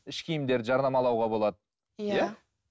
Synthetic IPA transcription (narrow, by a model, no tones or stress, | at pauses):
ɪʃkʲʰijmd̪eɾʒɑɾnɑmɑlˠɑwʁɑbo̞lˠɑd̪ə | jja